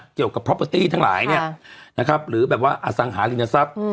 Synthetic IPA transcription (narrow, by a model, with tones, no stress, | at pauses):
ki˨˩əwka˨˩pʰːɾɔ˦˥əː˧t̪iː˥˩t̪ʰa˥˩la̰ː˩˦jni˥˩na˦˥kʰɾa˦˥p̚ɾɯː˩˦bɛː˨˩p̚waː˥˩ʔa˧˩sa˨˩˦ŋɦaː˩˦li˧˩na˧sa˦˥p̚